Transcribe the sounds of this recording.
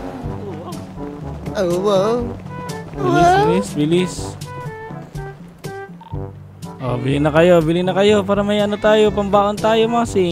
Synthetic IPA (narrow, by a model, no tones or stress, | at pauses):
owwa | bwbɪlɪsbɪlɪs | ʔo̰bɪlɪnɐkɐjo̞bɪlɪnɐkɐjo̞paːɾɐmɐjʔɐnot̪aːjopɐmbaːʔont̪aːjomɐasɪ